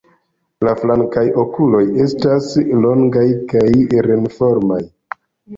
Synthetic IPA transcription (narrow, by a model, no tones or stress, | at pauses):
laflaŋkajo̞kulo̞je̞staslo̞ŋɡajkajɾenfo̞ɾmaj